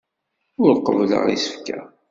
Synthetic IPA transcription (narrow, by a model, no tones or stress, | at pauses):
ʊɾqːəvlə̰ʁḭsə̥fkæ